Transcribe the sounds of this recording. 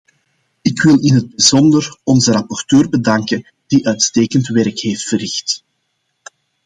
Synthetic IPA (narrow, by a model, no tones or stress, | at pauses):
ɪkwɪlˠɪnɦəd̚bəzɔndərɔnzəɾɑpɔrtøːrbədɑŋkən | d̥iʔœɥtsteːkəntʋɛɾkheːftfərɪxt